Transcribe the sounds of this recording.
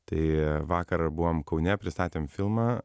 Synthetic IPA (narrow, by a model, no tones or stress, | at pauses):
t̪ɐɪʋɑːkɐɾbʊʋoːmkɐʊnʲɛpʲɾʲɪst̪ɑːt̪ʲeːmfʲɪlˠmɑ